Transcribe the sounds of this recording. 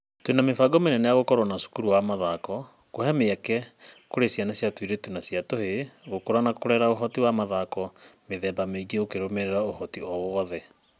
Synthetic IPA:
twenamefaɡɔmenɛnɛjaɣokɔɾwɔnasu̥kuɾuwamaðakɔ | koɦɛmeakɛkoɾesjanasjatwiɾetunasjatoheɣokoɾanakoɾɛɾaoɦɔtiwamaðakɔmeðɛːbameiɡeokeɾomɛɾɛɾaohɔtiɔwɔðɛ

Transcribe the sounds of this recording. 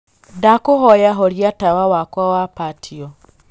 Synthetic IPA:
dakoɦɔjaɦɔɾjatawawakwawapatʰiɔ

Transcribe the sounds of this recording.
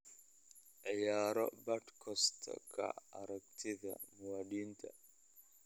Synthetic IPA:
ʔɪjaːɾɔbɐʈkʰɔst̪ʰkʰɐ̰ɐɾɐk̚t̪ʰɪd̪ɐ̰mʊwaːdiːnt̪ʰɐ̰

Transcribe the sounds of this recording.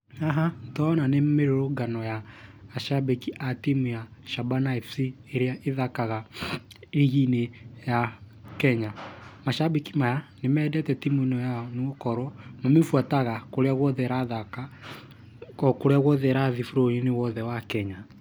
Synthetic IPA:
aɦantɔnanemeɾoɾoɡanɔjaːʃabikiʔatimujaʃabanaifsi | eɾeaeðakaɣa | iɣineja | kɛɲamaʃabikimajanemɛːdɛtɛtimwinɔjanukɔɾɔnomefuataɣakoɾeaɣwɔðɛɾaðaka | koɾeaɣwɔðɛɾaðifuɾojenewɔðɛwakɛɲa

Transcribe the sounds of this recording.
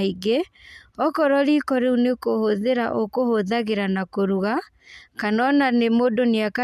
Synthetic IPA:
iɡeɔkɔɾɔɾiːkɔɾeunekohoðeɾa̰ʔokohoðaɣeɾanakoɾuɣa | kanɔnanemoːdoneaka

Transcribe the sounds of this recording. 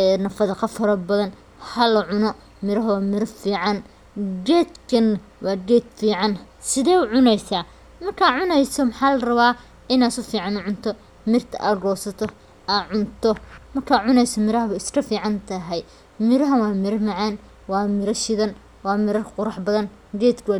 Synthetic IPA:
ɛnɐfɐðɐqɑfɐɾɐbɐðɐn | hɐlɐʕʊnɔ | mɪɾɐɦɐwɑːmɪɾɐfiːʕɑn | ɡɛːd̪kʰɐn | wʔɑːɡɛːd̪fiːʕɑn | sɪðɛːʊʕʊnɛjsaː | mɐrkʰaːʕʊnɛjsɔmɐħaːlɐrɐβaː | ɪnaːsʊfiːʕɑnʊʕʊnt̪ʰɔ | mɪrt̪ʰɐ̰ʔaːrɔːsɐt̪ʰɔ | ʔaːʕʊnt̪ʰɔmɐrkʰaːʕʊnɛjsɔmɪɾɐɦɐβɐɪskʰɐfiːʕɑnt̪ʰɐɦɛj | mɪɾɐɦɐnwɑːmɪɾɐmɐʕɑn | wɑːmɪɾɐʃɪðɐn | wɑːmɪɾɐrqʊɾɑħbɐðɐn | ɡɛːd̪kʰɐwː

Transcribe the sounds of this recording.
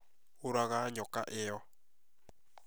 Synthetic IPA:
oɾaɣaɲɔkaʔejɔ

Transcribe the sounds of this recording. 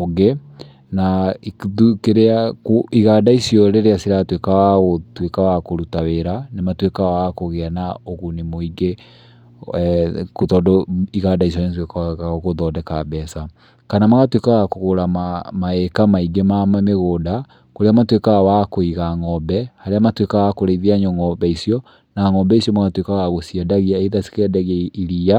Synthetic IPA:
oɡe | naðukeɾeakoiɣadaisiɔɾeɾeasiɾatwekaɣaɣotwekawakoɾutaweɾanematwekawakoɣeanaoɣunemoiɡe | kotɔdɔiɣadais̬ɔntwekaaɣaɣoɣoðɔdɛkabɛsa | kanamaɣatwekaɣakoɣoɾamamaekamaiɡemamameɣoːda | koɾeamatwekaɣawakoiɣaŋɔbɛhaɾeamatwekaɣakoɾaiðiaɲɔŋɔbɛisiɔ | naŋɔbɛisiɔmaɣatwekaɣaɣosiadaɣiaeiðasi̥kɛdaɣeiɾia

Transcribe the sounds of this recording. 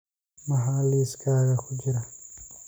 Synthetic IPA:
mɐɦaːliskaːɾaxud͡ʒɾa

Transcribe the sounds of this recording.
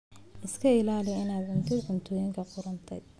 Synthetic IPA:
ʔɪskʰɐɪlaːlɪjɪnaːd̪ʕʊmt̪ʰɪd̪ʕʊmt̪ʰɔːjɪŋkʰɐqʊɾɐnt̪ʰɛ̰j

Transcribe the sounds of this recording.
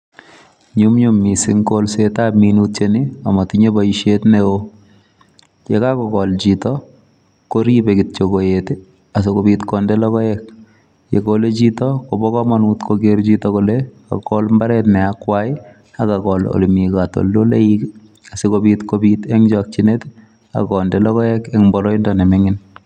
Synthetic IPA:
ɲumɲumːisɪŋkolsetaminut̚t͡ʃeniamatiɲebajiʃetneo | t͡ʃekakɔkɔld͡ʒitɔ | koɾibekɪt̚t͡ʃokojete | as̬ɪkobitkɔndɛlɔkɔɛk̚ | jḛkolet͡ʃitɔkobɔkɔmanuːtkʰoɡert͡ʃitɔkoleka̰kɔlmbaɾɛtnɛakwaɪ | akakɔlo̰limikato̰ldoleik | asikobitkobitɛŋd͡ʒɔk̚t͡ʃinet | a̰kɔndelɔkɔjɛkɛŋmbɔɾɔindɔnɛmɛŋɪn

